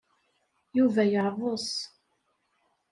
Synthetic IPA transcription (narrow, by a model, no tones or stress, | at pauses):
juvæjəɾˤvosˤ